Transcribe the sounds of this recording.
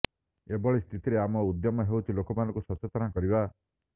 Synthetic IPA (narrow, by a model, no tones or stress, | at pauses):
ebɔɭist̪ʰit̪iɾeamɔud̪jɔmɔɦewt̪ʰilokɔmanɔ̃ŋkusɔt͡ʃet̪ɔnakɔɾiba